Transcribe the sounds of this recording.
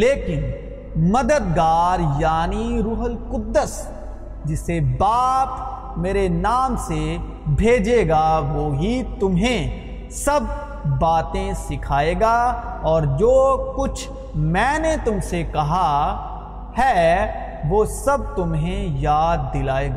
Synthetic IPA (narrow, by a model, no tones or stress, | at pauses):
leːkɪn | mɐd̪əd̪ɡaːɾjaːniɾʊɦəlkʊd̪ːəs | d͡ʒɪsebaːp | meːɾenaːmse | bʱeːd͡ʒeːɡaʋoːɦit̪ʊmɦẽ | sɐb̚ː | aːt̪ẽsɪkʰaːeːɡa | ɔːɾd͡ʒoːkʊt͡ʃʰ | mɛ̃ːnet̪ʊmsekɐɦa | hɛː | ʋoːsɐb̚t̪ʊmɦẽjaːd̪̚ːɪlaːeːɡaː